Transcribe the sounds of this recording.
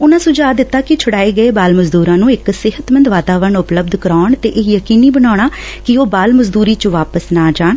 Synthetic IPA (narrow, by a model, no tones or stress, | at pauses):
ʊnãːsʊd͡ʒaːd̪ɪt̪ːaːkɪt͡ʃʰəɽaːeːɡəeːbaːlməzd̪uːɾãːnũːɪksɪɦət̪mənd̪ʋaːt̪aːʋəɾəɳʊpləb̚d̪ʱkəɾaːɳt̪eːʔeːjəkiːniːbənaːɳ̃aː | kɪoːbaːlməzd̪uːɾiːt͡ʃʋaːpəsnaːd͡ʒaːɳ